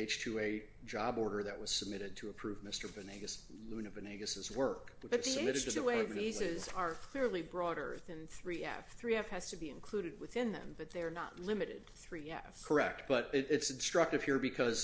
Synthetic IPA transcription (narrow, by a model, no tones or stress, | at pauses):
eɪt͡ʃtʰʉeɪ | d͡ʒɑbɔɹɾə˞ðɨʔ̚wʌz̥səb̚mɪɾɨd̚tʰɨːpʰɹ̥ʉvmɪstə˞vɨneɡɨs | lʉnɨvɨneɪɡɨsɨzwɜ˞kwɨb̥ʌz̥̚ðieɪmɪɾɨd̚tʰɨueɪvizɪzə˞kʰl̥ɪɹlˠibɹɔɾə̰˞ðɨ̃nθɹiɛ̰fθɹiɛfhɨz̥tɨbiɨ̃nkʰl̥uɾɨd̚wɨθɪ̃nðɨ̰̃mbʌt̪̚ðeɪə˞nə̰tˡlɪ̃mɨɾɨ̰d̪̚θɹiɛ̰fkʰə˞ɛk̚t̚b̥ʌɾɪɾɪtsɨ̃n̩stɹ̥ʌk̚tɨv̥hiɹbɨkʰʌz̥